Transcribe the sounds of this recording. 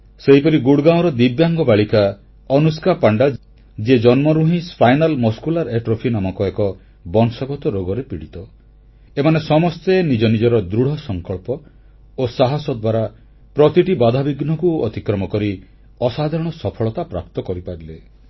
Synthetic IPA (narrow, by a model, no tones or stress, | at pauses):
seɦipɔɾiɡuɽɡãw̃ɾɔd̪ibjaŋɡɔbaɭika | ɔnuskapaɳɖa | d͡ʒed͡ʒɔnmɔɾuɦĩspʰajnalmɔskulaɾeʈɾopʰinamɔkɔekɔ | bɔŋsaɡɔt̪ɔɾoɡɔɾepiɽit̪ɔ | emanesɔmɔst̪enid͡ʒɔnid͡ʒɔɾɔd̪ɾuɽ̤ɔsɔŋkɔɭpɔ | osaɦasɔd̪ʱwaɾa | pɾɔt̪iʈibad̪ʱabiɡnɔkuɔ̰t̪ikɾɔmɔkɔɾi | ɔsad̪ʱɔɾɔɽ̃ɔsɔpʰɔɭɔt̪apɾa̰p̚t̪ɔkɔɾipaɾile